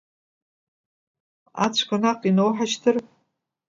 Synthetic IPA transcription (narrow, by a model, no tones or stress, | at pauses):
a̰t͡ɕʷʰkʷʰanaqʼinowħat͡ʃtʰɨr